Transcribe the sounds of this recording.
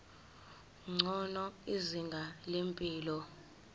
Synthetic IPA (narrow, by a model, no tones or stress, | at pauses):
ŋ͡ǀʱɔnɔiziŋɡʱalempʼiːlɔ